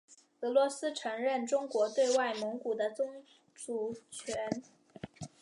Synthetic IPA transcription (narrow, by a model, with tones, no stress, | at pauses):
ɤ˧˥lwɔ˧˥sɹ̩˥ʈ͡ʂʰɤ˧˥ŋɻə˥˩nʈ͡ʂʊ˥ŋkwɔ˧˥t̪we˥˧ɪwa˥˩ɪmɤ˧˥ŋku˨˩d̪ə˦t͡sʊ˥ŋ | ʈ͡ʂu˨˩t͡ɕʰɥɛ˧˥n